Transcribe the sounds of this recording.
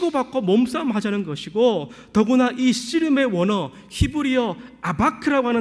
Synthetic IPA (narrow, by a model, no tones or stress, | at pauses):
ɡobak͈ʰomʌms͈amɦad͡ʑanɯnɡʌɕʰiɡotʌɡunaʔiɕ͈iɾɯme̞wʌnʌ | çibuɾiʌabakʰɯɾaɡoɦanɯ